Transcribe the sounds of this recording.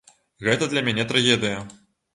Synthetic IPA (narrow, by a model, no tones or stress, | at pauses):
ɣɛt̪ɐd̪lʲɐmʲænʲɛt̪ɾaɣʲɛd̪ɨjɐ